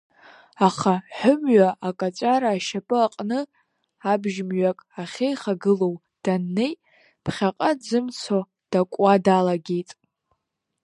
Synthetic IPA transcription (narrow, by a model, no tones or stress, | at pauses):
aχaħʷʊmɥaʔakʼat͡ʃʷʼaɾaːʃapʼɨaqʼnɨ | abʒmɥakʼaχʲejχaɡɨlo̞w | d̥anːe̞j | pʰχʲaqʼad͡zɨmt͡sʰo | d̥akʷʼadalaɡʲejtʼ